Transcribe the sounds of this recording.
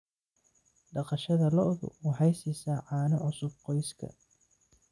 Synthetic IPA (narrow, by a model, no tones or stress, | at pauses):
ɖɑqɑʃɐðɐlɔʔðʊ̰uːħɛjsisaːʕɑːnɐʕʊsʊbqɔjskʰɐ̰